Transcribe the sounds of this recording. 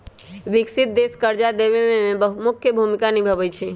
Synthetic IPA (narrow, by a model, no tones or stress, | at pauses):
ʋɪksɪt̪̚d̪eskəɾd͡ʒad̪eʋemẽmẽbəmʊkʰjəbʱumɪkanibʱəʋət͡ʃʰe